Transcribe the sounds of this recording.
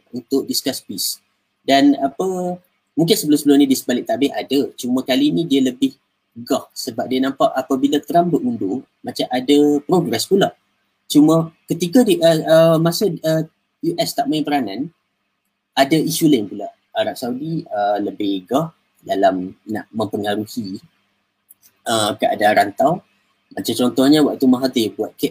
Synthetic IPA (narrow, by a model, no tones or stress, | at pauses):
unt̪ʊk̚diskaspis | danapə | mũŋk̬ɪnsəbəlʊsəbəlʊnĩdiəsəbalɪʔ̚t̪abɪhadat͡ʃumãkalinĩdiələbɪh | ɡɔhsəbap̚diənãmpaʔapabilat̪əɾambəundʊ | mat͡ʃamʔadapɾoɡɾɛspulaʔ | t͡ʃumə̃kət̪ikadiʔəəmasaə | juʔɛst̪aʔmaĩŋpəɾanãn | ʔadaisulaiŋpulaʔ | aɾaʔ̚saudiələbɪhɡɔh | dalamna̰ʔmə̃mpəŋaɾuhi | ʔəkəʔa̰daɾant̪aw | mat͡ʃamt͡ʃɔnt̪ɔhɲawaʔt̪umaɦat̪ijbuat̪̚kɛʔ